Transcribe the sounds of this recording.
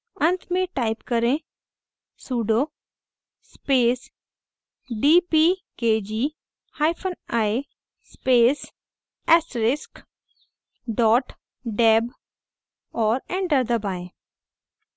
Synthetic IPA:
ə̃nt̪ʰmẽʈaːɪpkəɾẽ | suːɖoː | speːs | ɖiːpiːkeːd͡ʒiː | haːɪpʰənaːe | speːs | ɛsɾɪsk | ɖɔːʈ | ɖɛːb | ɔːɾɛ̃ɳɖəɾd̪əbaːẽː

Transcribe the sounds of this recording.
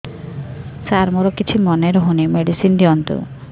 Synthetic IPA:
saɾmoɾokit͡ʃʰimɔneɾɔɦonimeɖisind̪iɔnt̪ṵ

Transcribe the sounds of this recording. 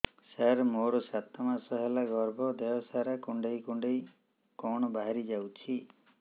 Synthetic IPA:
saɾmoɾɔsat̪ɔmasɔɦelaɡɔɾbʱɔd̪ejɔsaɾakuɳɖejkuɳɖej | kɔɳ̃ɔbaɦaɾid͡ʒawt͡ʃʰi

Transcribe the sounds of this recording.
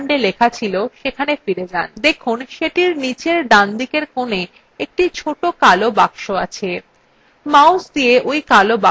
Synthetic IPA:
ɳɖelekʰat͡ɕʰiloʃekʰanefiɾed͡ʑand̪ekʰunʃeʈiɾnit͡ɕeɾɖand̪ikeɾkone | ek̚ʈit͡ɕʰoʈokalobakʃoat͡ɕʰe | mawsd̪ieʔojkaloba

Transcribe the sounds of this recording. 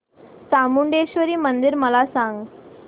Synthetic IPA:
samuɳɖeɕʋəɾiːmənd̪iɾməlasãŋɡ

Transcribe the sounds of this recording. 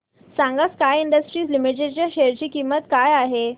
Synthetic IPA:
sãŋɡaskajiɳɖəsʈɾiːslimiʈ̬eʈt͡ɕjaɕeɾt͡ɕiːkimːət̪kajaɦe

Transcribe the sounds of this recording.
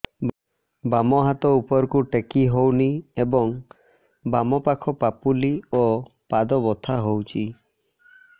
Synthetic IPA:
bamɔɦat̪ɔupɔɾkuʈekiɦowniebɔŋ | bamɔpakʰɔpapuliopad̪ɔbɔt̪ʰaɦowt͡ʃʰi

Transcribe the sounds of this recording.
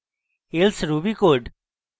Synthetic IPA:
elsɾuːbikoːɖ

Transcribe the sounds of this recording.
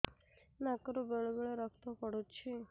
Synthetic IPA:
nakəɾobeɭobeɭeɾəkʰt̪opəɽot͡ʃʰi

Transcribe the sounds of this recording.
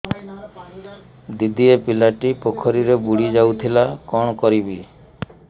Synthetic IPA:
d̪id̪iepilaʈipokʰɔɾiɾebuɽid͡ʒawt̪ʰilakɔɳ̃kɔɾibi

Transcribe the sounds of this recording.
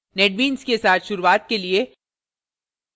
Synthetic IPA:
nɛʈ̚ʋiːnzkesaːt̪ʰʃʊɾuwaːt̪̚kelie

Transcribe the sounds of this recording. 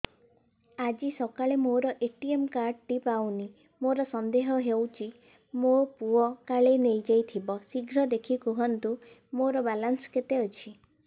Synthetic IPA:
ad͡ʒisɔkaɭemoɾɔʔeʈiemkaɾɖʈipawni | moɾɔsɔnd̪eɦɔɦewt͡ʃʰi | mopuɔkaɭenejd͡ʒajt̪ʰibɔsiɡɾɔd̪ekʰikuɦɔnt̪u | moɾɔbalansket̪eot͡ʃʰi

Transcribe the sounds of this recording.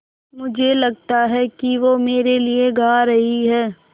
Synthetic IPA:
mʊd͡ʒʱelɐɡt̪aɦɛkiʋomeːɾelieɡaːɾɐɦiɦɛː

